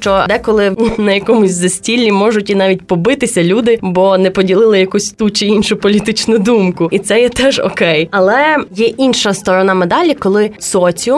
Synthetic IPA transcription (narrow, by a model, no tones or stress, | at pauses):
t͡ʃɔd̪ɛkɔlˠɪnɐjɐkɔmʊsʲzɐsʲtʲilʲːimɔʒʊtʲinɑʋʲit̚ʲpɔbɪt̪ɪsʲɐlʲud̪ɪbɔnɛpɔdʲilˠɪlˠɪjɐkusʲt̪ut͡ʃɪinʃʊpɔlʲit̪ɪt͡ʃnʊd̪umkʊit̪sɛjɛt̪ɛʒɔ̰kɛjɐlˠɛjɛʔinʃɐst̪ɔɾɔnɑmɛd̪ɑlʲikɔlˠɪsɔt͡sʲʊ